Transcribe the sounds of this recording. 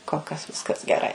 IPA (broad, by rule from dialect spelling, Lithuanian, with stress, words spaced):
koːlˠ ˈkɐs ˈʋʲɪskɐs ɡʲɛˈrɐɪ